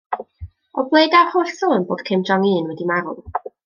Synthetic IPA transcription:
ɔblˠejdahoːɬsɔənboːd̥kʰɪmdɔŋiːnwɛdimaɾʊ̰

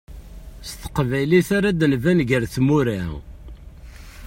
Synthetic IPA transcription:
st̪ə̥qvæjliθaɾad̪nvænʝəɾθmuɾæ

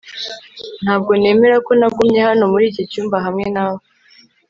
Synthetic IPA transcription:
n̥haːb̚ɡo̞ne̞ːme̞ɾako̞nab̚ɡumɲe̞hano̞muɾiːcocuːmbaɦamŋe̞naːβo

